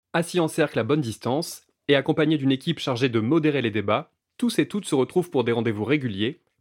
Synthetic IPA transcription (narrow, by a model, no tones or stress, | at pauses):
asiɑ̃sɛʁklabɔnd̪ist̪ɑ̃s | eakɔ̃paɲed̪ynekʲipʃaʁʒed̪əmɔd̪eʁeled̪eba | t̪uset̪ut̪səʁət̪χuv̥puʁd̪eʁɑ̃d̪evuʁeɡʲylje